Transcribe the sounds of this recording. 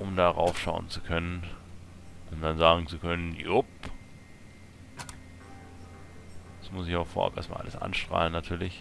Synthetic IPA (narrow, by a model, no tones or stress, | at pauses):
ʔʊmdaːʁa̰ʊfʃaʊənt͡sukʰœnən | ʊmd̥anzaːɡŋ̩t͡sukʰœnənjʊp | d̥asmʊsɪçaʊxfoːɐʔa̰pʔḛɐstma̰ːlʔaləsʔa̰nʃtʁ̥a̰ːlənːatʰyːɐlɪç